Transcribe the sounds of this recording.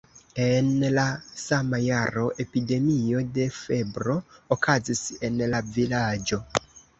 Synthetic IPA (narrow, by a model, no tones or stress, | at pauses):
e̞nlasamajaɾo̞ʔe̞pide̞mio̞de̞fe̞bɾo̞ːkʰazise̞nlavilad͡ʒo̞